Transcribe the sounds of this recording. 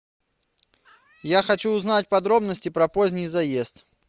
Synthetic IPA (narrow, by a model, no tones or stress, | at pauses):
jaxɐt͡ɕuːznatʲpɐd̪ɾo̞bnəsʲtʲɪpɾɐpozʲnʲɪjzɐjest̪